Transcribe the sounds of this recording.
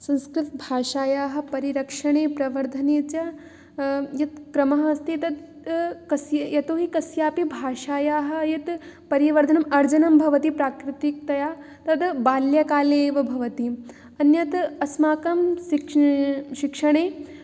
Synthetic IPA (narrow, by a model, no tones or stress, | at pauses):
sɐ̃nskɾɪt̪bʱaːʂaːjaːɦɐ̆pɐɾiɾɐkʂɐɳeːpɾɐʋɐɾd̪ʱɐneːt͡ʃɐ | jɐt̪kɾɐmɐɦɐst̪it̪ɐd̪ | kɐsjɐjɐt̪oːɦikɐsjaːpibʱaːʃaːjaːɦɐ̆jɐt̪pɐɾiʋɐɾd̪ʱɐnɐmɐɾd͡ʒɐnɐmbʱɐʋɐt̪ipɾaːkɾɪt̪ik̚t̪ɐjaː | t̪ɐd̪baːljɐkaːleːʋɐbʱɐʋɐt̪i | ɐnjɐt̪ɐsmaːkɐm | ʃikʂɐɳeː